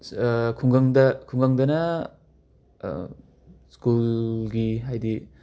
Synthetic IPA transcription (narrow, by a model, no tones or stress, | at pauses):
kʰuŋɡɐŋdɐkʰuŋɡaŋdɐnɐ | skulɡiɦajdi